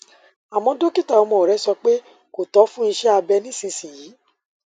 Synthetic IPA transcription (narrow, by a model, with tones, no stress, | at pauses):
a˨mɔ̃˧do˦ki˦ta˦˨ɔ˨˧mɔ̃˧˨ɾɛ˨˦sɔ˧k͡pe˦ | ko˨tɔ˨˦fũ˦i˧ʃɛ˦a˧bɛ˧nĩ˦sĩ˧sĩ˨jiː˨˦